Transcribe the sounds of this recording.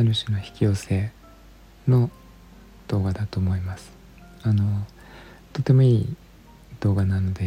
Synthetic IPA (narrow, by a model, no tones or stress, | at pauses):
aɾɯ̟ɕɨno̞çi̥kʲio̞ːse̞ː | no̞ | d̪̥o̞ːɡad̪at̪oːmo̞imasɨ̥ | ano̞ | t̪o̞t̪ːe̞mo̞iː | d̪̥o̞ːɡanano̞d̪e̞